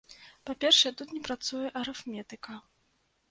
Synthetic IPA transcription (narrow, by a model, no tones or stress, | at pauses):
papʲɛrʂɛjɛt̪ut̪nʲɛpɾat̪sujɛʔɐɾɛfmʲɛt̪ɨkɐ